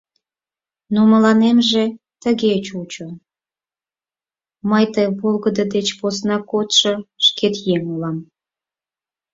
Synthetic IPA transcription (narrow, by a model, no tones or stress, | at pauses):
noməlɑnemʒe | t̪əɣet͡ɕut͡ɕo | məjt̪əjβolɣəd̪əd̪et͡ɕposnɑkot̪ʃɤʃket̪jeŋulɑm